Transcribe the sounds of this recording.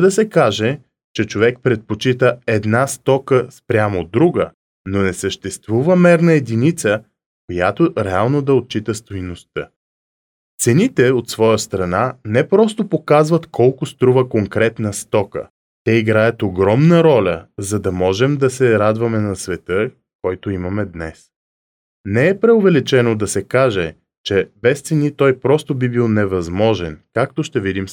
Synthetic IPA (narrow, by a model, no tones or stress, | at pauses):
d̪ɐsɛkaʒɛ | t͡ʃɛt͡ʃovɛk̚pɾɛt̪̚pot͡ʃit̪əɛd̪nast̪ɔkəspɾʲjamod̪ɾuɡə | nonɛsəʃt̪ɛst̪vuvəmɛɾnɐɛd̪init̪sə | kojat̪oɾɛalˠnod̪ɐot̪̚t͡ʃit̪əst̪ojnost̪ə | t̪sɛnit̪ɛot̪svɔjəst̪ɾɐnanɛpɾɔst̪opokazvɐt̪kɔlˠkʊst̪ɾuvəkoŋkɾɛt̪nəst̪ɔkə̰ | t̪ɛiɡɾajɐt̪oɡɾɔmnəɾɔlʲəzɐd̪ɐmɔʒɛmd̪ɐsɛɾad̪vɐmɛnɐsvɛt̪ɤ | kɔjt̪oimɐmɛd̪nɛs | nɛɛpɾɛovɛlit͡ʃɛnod̪ɐsɛkaʒɛ | t͡ʃɛbɛst̪sɛnit̪ɔjpɾɔst̪obibilˠnɛvɐzmɔʒɛnkakt̪oʃt̪ɛvid̪im